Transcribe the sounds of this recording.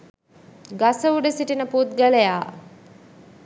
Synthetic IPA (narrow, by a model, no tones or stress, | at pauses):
ɡasəuɖəsiʈinəput̪ɡəlejaː